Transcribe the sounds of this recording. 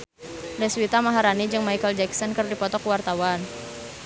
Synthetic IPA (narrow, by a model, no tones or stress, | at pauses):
dɛswit̪amaɦaɾanid͡ʒɨŋmajkəld͡ʒɛksɔnkərdipɔt̪ɔkwart̪awan